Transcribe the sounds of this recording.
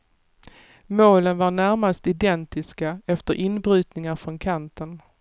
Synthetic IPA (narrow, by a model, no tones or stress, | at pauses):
moːlənvaɳæɾmast̪ɪd̪ɛnt̪ɪskaɛft̪əɾʔɪnbɾʉ̟ːt̪nɪŋaɾfɾɔnkʰant̪ʰən